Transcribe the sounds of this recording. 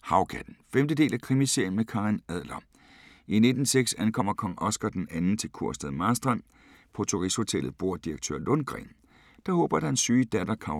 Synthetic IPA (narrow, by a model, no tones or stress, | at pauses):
hɑ̈ʊkʰæd̥n̩femd̥əd̥e̝̰ːlækʰʁimise̝ɐn̩mekʰɑ̈ʁinæð̰ˠlɐ | ine̝d̥n̩seɡ̥sænkʰɒ̽m̰ɐkʰɒ̽ŋɒ̽sɡ̥ɐd̥enænn̩t͡sʰe̝lkʰuɐ̰sd̥æðˠmɑːsd̥ʁɑn̰ | pʰɒt͡sʰoʁisho̝t͡sʰelð̞̩ˠb̥o̝ɐ̰d̥iʁɐɡ̥̚t͡sʰø̰ːɐlɔnɡ̥ʁɛ̰m | d̥ɑ̈hɔ̰̽ːb̥ɐd̥ɑ̈e̝nsyːd̥æd̥ɐkʰɑ̈ʊ